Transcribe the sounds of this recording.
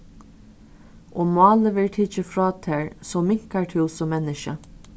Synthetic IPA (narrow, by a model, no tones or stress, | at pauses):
ʔoːmɑːləʋɛɹʈʰɪt͡ʃəfɹɔːt̪ʰeːɹsɔmɪŋ̥kaɹʈʰɪːsɔmːɛnːɪʃə